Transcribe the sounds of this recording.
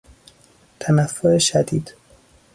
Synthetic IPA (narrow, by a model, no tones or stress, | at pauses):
t̪ʰænæfːoeʃæd̪iːd̪̥